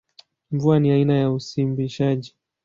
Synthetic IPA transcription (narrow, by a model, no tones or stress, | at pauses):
ɱvuaniainajausimbiʃaʄi